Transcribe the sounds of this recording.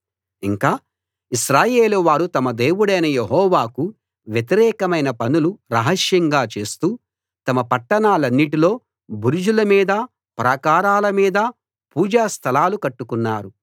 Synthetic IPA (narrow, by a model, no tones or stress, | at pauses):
iŋkaː | iʃɾaːje̞ːluʋaːɾut̪ɐmɐd̪eːwuɽɐjnɐjeɦɔːʋaːku | ʋjet̪̬iɾɛːkɐmɐjnɐpɐnuluɾɐɦɐʂjɐŋɡaːt͡ʃe̞ːst̪uː | t̪ɐmɐpɐʈːɐnaːlɐnːiʈilo̞ː | buɾud͡ʒulɐmiːd̪ɐ | pɾɐkaːɾaːlɐmiːd̪ɐ | puːd͡ʒaːst̪ʰɐlaːlukɐʈːukunːaːɾu